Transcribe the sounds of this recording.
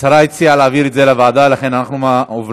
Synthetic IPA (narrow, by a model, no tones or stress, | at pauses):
ʃaɾait͡sialaːviɾetzelavaːd̪avlaχe̞nanaχnumaov